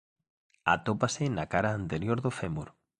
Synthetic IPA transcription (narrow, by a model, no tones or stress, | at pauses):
a̰t̪opasɪnakaɾaːnt̪eɾjoɾðofemuɾ